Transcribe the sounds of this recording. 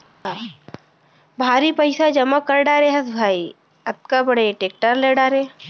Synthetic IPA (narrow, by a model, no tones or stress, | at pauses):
bʱaːɾipəɪsad͡ʒɐmakɐɾɖaːɾeɦɐsbʱaːi | ɐb̚kabɐɽeʈeːk̚ʈəɾleɖaːɾe